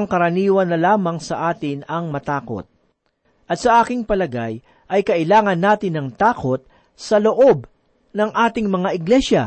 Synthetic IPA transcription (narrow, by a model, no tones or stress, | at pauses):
ŋkɐɾɐniːwɐnːɐlaːmɐŋsɐʔaːt̪ɪnɐŋmɐt̪aːko̞̰t̪̚ | ʔɐt̪sɐʔaːkɪŋpɐlɐɡaj | ʔɐjkɐʔɪlaːŋɐnːaːt̪ɪnːɐŋt̪aːko̞t̪̚ | sɐloʔo̞b̚ | nɐŋʔaːt̪ɪŋmɐŋaʔɪɡlɛʃjɐ̰